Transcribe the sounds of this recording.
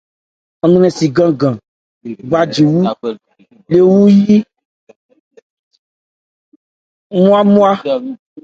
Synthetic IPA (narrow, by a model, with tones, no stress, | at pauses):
ã˨nũ˦nɛ̃˨si˨ɡã˦ɡã˨ | ɡ͡ba˦d͡ʒi˨wu˦ | le˨wu˦ji˦ | mũ˦a˦mũ˦a˦